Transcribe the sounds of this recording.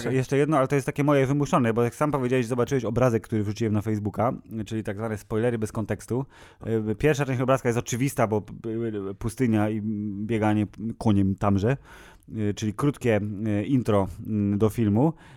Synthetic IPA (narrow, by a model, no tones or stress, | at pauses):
jɛʂt͡ʂɛjɛd̪nɔalɛt̪ɔjɛst̪akʲɛmɔjɛvɘmusɔnɛbɔjaksampɔvʲed͡ʑawɛɕzɔbat͡ʂɘwɛɕɔbɾazɛkːt̪uɾɘvʐut͡ɕiwɛmnafɛjzbukat͡ʂɘlʲit̪aɡzvanɛspɔjlɛɾɘbɛskɔnt̪ɛkst̪u | pʲjɛɾfʂatɛ̃t͡ɕɔbɾaskajɛst̪ɔt͡ʂɘvʲist̪abɔ | pust̪ɘɲaibʲjɛɡaɲɛkuɲɛmt̪amʐɛ | t͡ʂɘlʲikɾut̪kʲɛint̪ɾɔd̪ɔfʲilmu